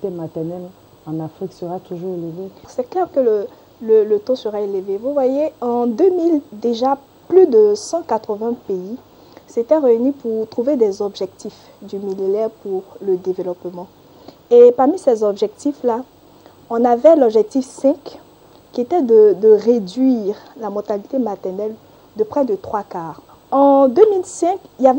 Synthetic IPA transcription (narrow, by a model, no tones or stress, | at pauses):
t̪emat̪ɛʁnɛl | ɑ̃nafʁiksəʁat̪uʒuʁeləvesɛklɛʁkələ | lələt̪osəʁaeləvevuvwajeɑ̃d̪ømild̪eʒa | plyd̪əsɑ̃kat̪χəvɛ̃pei | set̪ɛʁeynipuʁt̪χuved̪ɛzɔbʒɛk̚t̪if | d̪ymilinɛʁpuʁləd̪evelɔpmɑ̃ | epaʁmisɛzɔbʒɛk̚t̪ifla | ɔ̃navɛlɔbʒɛk̚t̪ifsɛ̃k | kʲːiet̪ɛd̪əd̪əʁed̪ɥiʁlamɔʁt̪alit̪emat̪ɛʁnɛl | d̪əpχɛd̪ət̪χwakaːʁ | ɑ̃d̪ømilsɛ̃kijavɛ